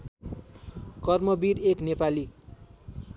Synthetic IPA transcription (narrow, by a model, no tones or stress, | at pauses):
kʌrmʌbiɾeknepali